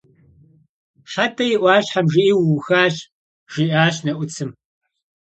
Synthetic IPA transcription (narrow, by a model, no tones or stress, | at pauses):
ħatʰɐjɪʔʷɑːɕħamʒɪʔiːwxaːɕ | ʒ̥iʔaːɕnɐʔʷʊt͡sʰɨm